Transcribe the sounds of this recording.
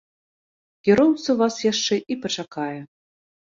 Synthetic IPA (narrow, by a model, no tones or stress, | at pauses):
kʲɛɾɔwt̪sɐvasjaʂt͡ʂɛʔipɐt͡ʂakajɛ